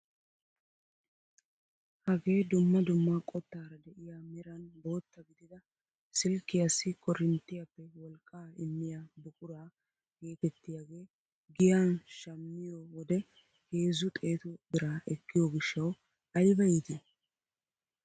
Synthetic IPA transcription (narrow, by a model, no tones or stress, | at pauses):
hɐɡe̞ːd̪ʊmːɐd̪ʊmːakʼɔt̪ːaːɾɐd̪ɛʔɪjaːmɪɾɐnbo̞ːt̪ːɐɡɪd̪ɪd̪ɐ | sɪlkːɪjasːɪkɔɾɪnt̪ːɪjɐpːɛwɔlkʼːaːɪmːɪjaːbʊkʼʊɾaː | keːt̪ɛt̪ːɪjaːɡe̞ː | ɡɪjaːnʃɐmːɪjowɔd̪ɛ | heːzʊt̪ʼe̞ːt̪ʊd̪ɪɾaːʔɛkːɪjoɡɪʃːɐw | ɐjbɐjɪd̪ɪ